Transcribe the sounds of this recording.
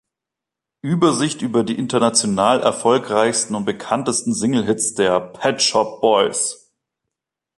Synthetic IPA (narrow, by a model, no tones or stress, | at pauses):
ʔyːbɐzɪçtʔyːbɐdiːʔɪntɐnat͡sjonaːlʔɛ̰ɐfɔlkʁaɪçstn̩ʊnt̚b̥əkʰantəstn̩zɪŋl̩ɦɪt͡sd̥eːɐpʰɛtʃɔp̚b̥ɔʏs